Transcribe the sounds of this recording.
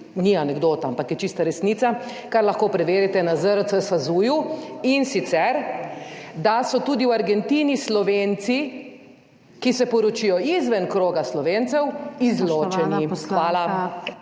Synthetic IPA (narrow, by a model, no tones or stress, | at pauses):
nianɛɡd̪oːt̪aampakjɛt͡ʃist̪aɾɛsniːt̪sa | kaɾlɐxkoːpɾɛʋeːɾit̪ɛnazəɾət̪səsazuːjuinsit̪sɛɾ | d̪asɔt̪uːd̪iwaɾɡɛnt̪inislɔʋeːnt̪si | kisɛpɔɾɔt͡ʃijɔizʋɛnkɾoːɡaslɔʋeːnt̪sɛwizloːt͡ʃɛnixʋaːla